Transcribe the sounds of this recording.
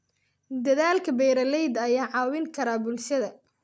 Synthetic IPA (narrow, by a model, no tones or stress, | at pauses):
d̪ɐðaːlkʰɐbɛjɾɐlɛjd̪ɐjaːʕɑːwɪŋkʰɐɾaːbʊlʃɐðɐ